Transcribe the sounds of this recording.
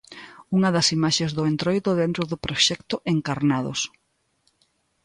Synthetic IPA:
uŋɐðɐsimaʃezðʊent̪ɾojðʊðent̪ɾʊðʊpɾoʃɛkt̪ʊʔeŋkaɾnaðo̰s

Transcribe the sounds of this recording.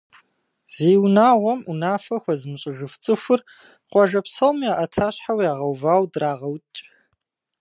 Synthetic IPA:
z̥eːwnaːʁʷɔmunaːfɐxʷɐzɨmɨɕʼɪʒɨft͡sʼɨxʷʊr | qʷʼɔʒɐpsɐwmiaːʔɐtʰaːɕħawjaːʁɐwvaːwdraːʁɐwtʼ

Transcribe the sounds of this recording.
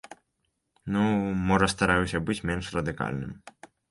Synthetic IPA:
numɔʐɐst̪aɾajɛwsʲɐbɨt͡sʲmʲɛnʂrɐd̪ɨka̰lʲnɨ̰m

